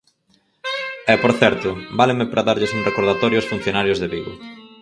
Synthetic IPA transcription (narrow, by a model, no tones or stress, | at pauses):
ɛpoɾθɛɾt̪ʊbalɪmɪpɾʔaðaɾʎɪsuŋrekoɾðat̪ɔɾjosfun̟θjonaɾjʊzðeβiɣʊ̰